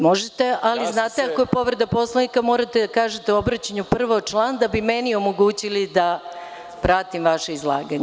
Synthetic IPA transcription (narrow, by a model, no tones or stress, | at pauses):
mo̞ʒet̪e̞ʔaliznaːt̪eakojepo̞ʋɾe̞d̪apo̞slˠanikamo̞ːɾat̪ed̪akaːʒet̪eo̞bɾat͡ɕaɲupr̩ʋot͡ʃlˠaːnd̪abimenio̞mo̞ɡuːt͡ɕilid̪a | pɾat̪imʋaʃeizlˠa̰ːɡaɲe